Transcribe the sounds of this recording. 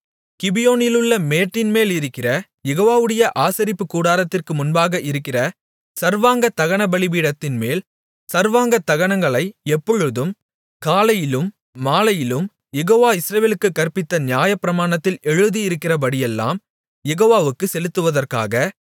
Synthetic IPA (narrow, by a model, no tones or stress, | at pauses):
kɪbɪjoːnɪlɯɭːɐmeːʈːɪnmeːlɪɾɯkːɪrɐ | jɛɣoːʋaːʋɯɽɐjɐʔaːsɐɾɪpːɯkːuːɽaːɾɐt̪ːɪrkɯmʊnbaːɣɐʔɪɾɯkːɪrɐ | sɐɾʋaːŋɡɐt̪ːɐɣɐɳɐbɐɭɪʋiːɽɐt̪ːɪnmeːl | sɐɾʋaːŋɡɐt̪ːɐɣɐɳɐŋɡɐɭɐɪɛpːɔɻɯðɯm | kaːlɐjɪlɯmː | aːlɐjɪlɯm | jɛɣoːʋaːɪsɾɐʋeːlɯkːɯkːɐrpɪt̪ːɐnɪjaːjɐpɪɾɐmaːɳɐt̪ːɪlɛɻɯðijɪɾɯkːɪrɐpɐɽɪjɛlːa̰ːm | jɛɣoːʋaːʋɯkːɯsɛlɯt̪ːɯʋɐðɐrka̰ːɣɐ